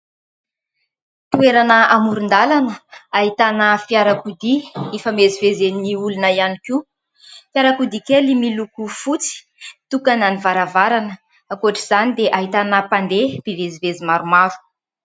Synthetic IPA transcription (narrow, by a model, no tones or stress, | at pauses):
t̪ueɾanəamuɾund̪alanəaɦit̪anəfiaɾakud̪iefəmezivezeniulunaianiku | fiaɾakud̪ikʲelimilukufut͡si̥ | t̪ukananivaɾavaɾanə | akuaʈ͡ʂiz̥anid̪eʔaɦit̪anəpand̪eb̥ivezivezimaɾumaɾu̥